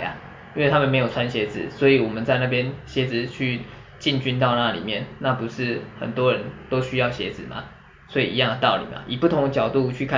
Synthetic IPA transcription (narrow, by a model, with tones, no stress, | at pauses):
a̰˨ | i˥nwe˥˩t̪ʰa˥mə˨nme˧˥ɪjo˨˩t͡sʰwa˦nɕjɛ˨˧˥d͡zɹ̩˨˦swɔ˧˥i˨wɔ˨˩mə˨˦nt͡sa˥˧ɪna˥˩pjɛ˦nɕjɛ˧˥d͡zɹ̩˨˩t͡ɕʰy˥˩ | t͡ɕi˥˨nt͡ɕy˥nt̪ɑ˥˧ʊna˥˧lḭ˨˩mjɛ˥˩nna˥˨pu˧˥ʂɻ̩˥˩xə̰˨˩nt̪wɔ˦ɻə˨˧˦nt̪o˥ʊɕy˥jɑ˥˩ʊɕjɛ̰˧˥d͡zɹ̩˨˩ma̰˨˩ | swɔ˧˥ḭ˨ḭ˧˦jɑ˥˩ŋ˩t̪ɑ˥˩ʊlḭ˨˩ma̰˨˩ʔi˨˩pu˥˩t̪ʰʊ˧˥ŋə˧t͡ɕjɑ˨˩ʊt̪u˥˧t͡ɕʰy˥˧kʰa˥˨